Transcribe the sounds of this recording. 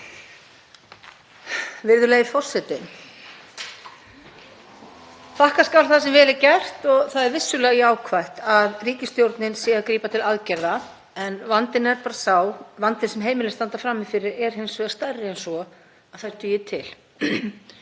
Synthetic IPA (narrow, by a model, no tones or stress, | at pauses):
vɪɾðʏleːjðɪfɔr̥sɛt̪ɪn | fahkaskawlθasɛmvɛːlɪɾcɛr̥t̪ɔɣθaðɛɾvɪsːʏlɛːɣiaːwkʰvajht̪aðriːcɪst̪jowɾt̪nɪnsɛːɣakɾiːpat̪ʰɪlaðcɛɾða | ɛnvant̪ɪnɛɾpaːɾasawvant̪ɪnsɛmɦeːjmɪlɛst̪ant̪afɾaːmːɪfɪɾɪɾɛɾ̥hejnsvʏɣast̪arːɪejnsɔ | aθaj̥t̪ʏjɪt̪ʰɪl